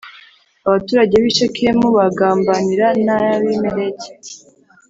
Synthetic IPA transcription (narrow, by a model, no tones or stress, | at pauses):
aβatuːɾaɟe̞βit͡ʃekʰeemuβaɡaːmbaniɾanajaβimeɾece̥